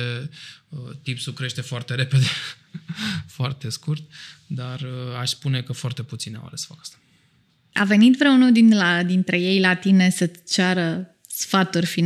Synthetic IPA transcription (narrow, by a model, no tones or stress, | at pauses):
e | ət̪ipsukɾe̞ʃt̪e̞foart̪e̞ɾe̞pe̞d̪e | foart̪e̞skurt̪̚d̪arəaʃspune̞kəfoart̪e̞put̪sina̰wa̰lesə̥fakḁst̪ḁ | a̰ve̞nit̪vɾeunuld̪inlad̪int̪ɾe̞je̞jlat̪ine̞sət͡ʃaɾə | sfat̪urʲfin